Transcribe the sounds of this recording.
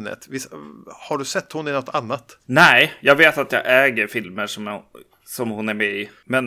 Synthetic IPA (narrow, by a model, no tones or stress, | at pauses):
nə̰t̪vɪshaɖɵsɛt̪ːhʊnɪnɔt̪ːʰanːat̪nɛɪjɑːɡveːt̪at̪jɑ̰ːɡʔɛːɡəɾfɪlməʂɔm | sɔmhʊnæɾmɛɪ | mɛn